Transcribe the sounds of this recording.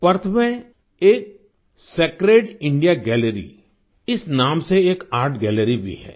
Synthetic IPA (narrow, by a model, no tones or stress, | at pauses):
pəɾt̪ʰmẽ | eːk̚ | seːkɾeːɖɪ̃ɳɖijaɡɛːleɾḭ | ɪsnaːmseeːkaːɾʈɡɛːləɾibʱḭɦɛ̰ː